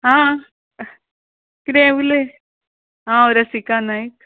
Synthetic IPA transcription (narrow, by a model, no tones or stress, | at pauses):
ɦã | kɾeʋule | ɦãoɾasikanaik